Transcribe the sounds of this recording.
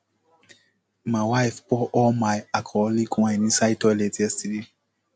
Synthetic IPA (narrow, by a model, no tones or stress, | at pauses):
mawajfpɔʔɔmajakʰɔlikʰãjnĩsajtɔletʰɛstidi